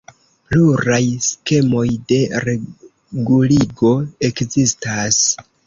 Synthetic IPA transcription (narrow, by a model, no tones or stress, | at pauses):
pluɾajske̞mo̞jde̞ɾe | ɡuliɡo̞e̞kzistas